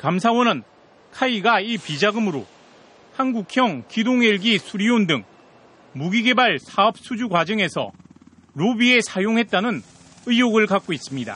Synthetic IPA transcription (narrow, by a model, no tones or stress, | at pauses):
kamsʰawʌnɯn | kʰaiɡaipid͡ʑaɡɯmɯɾo | hanɡukʰjʌŋkidoŋeɭɡisʰuɾiondɯŋ | muɡiɡe̞baɭsʰaʌp̚s͈ʰud͡ʑukwad͡ʑʌŋe̞sʰʌ̰ | ɾobie̞sʰajoŋɦe̞t̚t͈anɯn | ɯijoɡɯɭkak̚k͈ois͈ɯmɲida̰